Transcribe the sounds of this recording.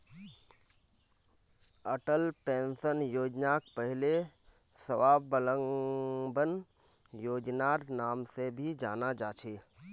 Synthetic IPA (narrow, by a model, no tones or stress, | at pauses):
əʈəlpẽːnsənjoːd͡ʒnaːk̚pəɦɪle | səʋaːbələŋbən | joːd͡ʒnaːɾnaːmsebʱid͡ʒaːnad͡ʒaːt͡ʃʰeː